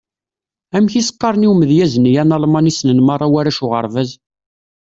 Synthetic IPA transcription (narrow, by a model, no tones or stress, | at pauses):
æmçisə̥qːɑɾˤniwməðjæznijænɑlˤmɑnisnənmɑrˤːɑwæɾæʃʊʁə̰ɾˤvæz